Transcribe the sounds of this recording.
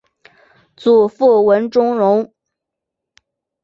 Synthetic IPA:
t͡su˨˩fu˥˩wə˧˥nʈ͡ʂʊ˥ŋɻʊ˧˥ŋ

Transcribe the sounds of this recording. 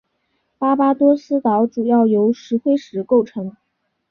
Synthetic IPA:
pa˥pa˥t̪wɔ˥sɹ̩˥t̪ɑ˧˥ʊʈ͡ʂu˨˩jɑ˥˩ʊjo˧˥ʊʂɻ̩˧˥xwe˥ɪʂɻ̩˧˥ko˥˩ʊʈ͡ʂʰɤ˧˥ŋ

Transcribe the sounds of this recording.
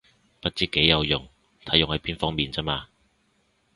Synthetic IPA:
pɐ˥t̚t͡siː˨˥kːe˨˥jːɐ˨˧wjʊ̰˨˩ŋ | t̪ʰɐ˨˥jʊ˨ŋhɐ˨˧˥jpiː˥nfɔː˥ŋmiː˨nt͡sɛː˥maː˧

